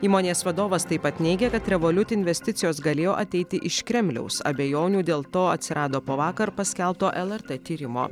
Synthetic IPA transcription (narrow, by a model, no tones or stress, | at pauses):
iːmoːnʲeːsʋɐd̪oːʋɐst̪ɐɪpɐt̪nʲɛɪɡʲɛkɐt̪ɾʲɛʋoːlʲʊt̪ʲːɪnʲʋʲɛsʲt̪ʲɪt̪sʲɪjoːsɡɐlʲeːjoːʔɐt̪ʲɛɪt̪ʲɪʔɪʃkɾʲɛmʲlʲɛ̰ʊsɐ̰bʲejoːnʲuːd̪ʲeːlˠt̪oːɐt̪ʲsʲɪɾɑːd̪oːpoːʋɑːkɐɾpɐsʲkʲɛlˠpt̪oːʔɛlˠɛɾt̪ɛt̪ʲiːɾʲɪmo̰ː